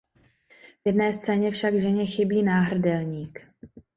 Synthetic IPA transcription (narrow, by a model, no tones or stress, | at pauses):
vjɛdnɛːst͡sɛːɲɛfʃaɡʒɛɲɛxɪbiːnaːɦr̩dɛlɲiːk